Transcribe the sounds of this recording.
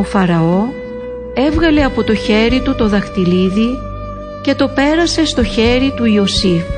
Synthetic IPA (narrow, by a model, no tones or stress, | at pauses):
o̞fɐɾɐo̞ | e̞vɣɐle̞ɐpo̞t̪o̞çe̞ɾit̪ut̪o̞ðɐxt̪iliði | ce̞t̪o̞pe̞ɾɐse̞st̪o̞çe̞ɾit̪uio̞sif